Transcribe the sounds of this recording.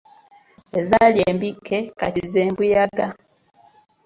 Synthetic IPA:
e̞zaljeːmbikːe̞ka̰tizeːmbujaɡa

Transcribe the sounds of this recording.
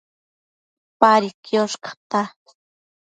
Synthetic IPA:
paɾikjoʃkḁt̪a

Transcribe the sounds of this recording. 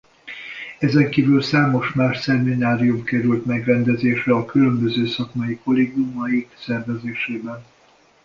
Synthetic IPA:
ɛzɛŋkiːvylsaːmo̞ʃmaːʃsɛminaːɾijumkɛɾylt̪mɛɡrɛnd̪ɛzeːʃrɛɒkylø̞mbø̞zøːsɒkmɒjiko̞leːɡumɒjiksɛrvɛzeːʃeːbɛn

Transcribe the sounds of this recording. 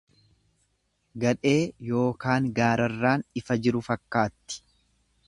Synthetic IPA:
ɡɐᶑe̞ːjo̞ːkaːŋɡaːɾɐrːaːnɪfɐd͡ʒɪɾʊfɐkːaːt̪ːɪ̥

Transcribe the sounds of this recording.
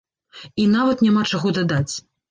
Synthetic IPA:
inavɐt̪nʲamat͡ʂaɣɔd̪ad̪at͡sʲ

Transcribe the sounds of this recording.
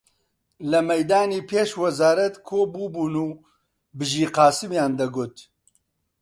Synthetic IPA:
lɐmɛjd̪aːniːpʰeːʃwɐzaːɾɐt̪kʰoːbuːbuːnuː | bɨʒiːqɑːsɨmjaːnd̪ɐɡʊt̪

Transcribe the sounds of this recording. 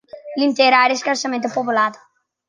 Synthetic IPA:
lĩnt̪eɾaɾeskaɾsamẽnt̪upopulad̪ʊ̥

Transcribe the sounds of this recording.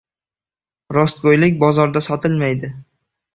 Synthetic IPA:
ɾɒst̪̚ɡojlɪkʲbɒzɒɾd̪asɒt̪ʰɪlmajd̪ɪ

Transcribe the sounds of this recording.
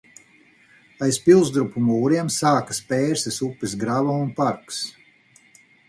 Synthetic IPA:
ajspilˠzd̪ɾupumuːɾiɛmsaːkḁspɛːɾsɛsupːis̬ɡɾavamunpaɾks

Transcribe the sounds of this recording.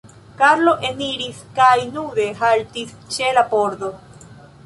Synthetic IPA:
kaɾlo̞ʔeniɾiskajnud̪e̞ɦaltist͡ʃe̞lapo̞ɾd̪o̞

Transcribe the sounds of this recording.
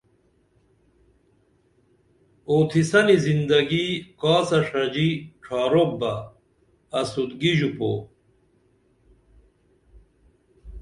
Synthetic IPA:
oːt̪ʰisɐnizind̪ɐɡikaːsɐʂɐd͡ʑiʈ͡ʂʰɑːɾok̚bɐː | sud̪ɡiʑupo̰

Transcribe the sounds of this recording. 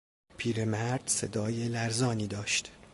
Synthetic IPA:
pʰiːɾemæɾd̪̥sed̪ɒːjelæɾzɒːniːd̪ɒːʃt̪

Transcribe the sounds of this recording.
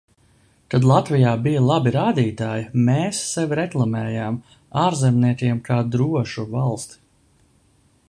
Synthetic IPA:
t̪ad̪lˠat̪vijaːbijalˠabiɾaːd̪iːt̪aːjimeːsːɛvɾɛklˠamɛːjaːm | aːɾzɛmniɛk̪ʲiɛmkʰaːd̪ɾuɔʃuvalˠst̪

